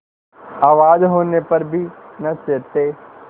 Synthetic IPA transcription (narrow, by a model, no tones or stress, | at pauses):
aːʋaːd͡ʒɦoːnepɐɾbʱinɐt͡ʃeːt̪eː